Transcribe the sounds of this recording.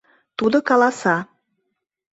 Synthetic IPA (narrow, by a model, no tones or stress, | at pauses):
t̪ud̪okɑlˠɑsɑ